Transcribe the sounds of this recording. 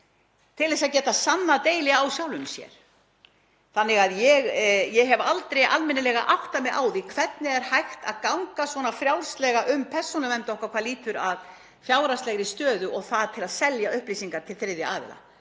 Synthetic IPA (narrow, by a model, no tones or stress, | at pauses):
t̪ʰɪlðɛs̬aðcɛːt̪asanːat̪eːjlɪawsjaːwlʏmsjɛ̰ɾ̥ | θanːɪɣaðjɛɣjɛɦɛvalt̪ɾejalmɪnɪlɛɣaʔawht̪amɛʔaːwðikʰv̥ɛt̪nɪɛɾ̥hajxt̪a̰ðkawŋkasvɔnafɾjawr̥st̪lɛɣaʔʏmpʰɛr̥sunʏvɛnt̪ɔhkakʰvaɾliːt̪ʏɾað | fjaːwɾast̪lɛɣɾɪst̪œːðʏɔɣθaðt̪ʰɪlaðsɛljaʏhpliːsiŋkaɾ̥t̪ʰɪlθeɪðɪaːvɪ̰la̰